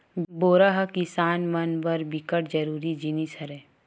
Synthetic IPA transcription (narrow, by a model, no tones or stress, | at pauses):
boːɾaɦkɪsaːnmɐnbɐɾbɪkəʈ̚d͡ʒɐɾuːɾid͡ʒinisʰɐɾeː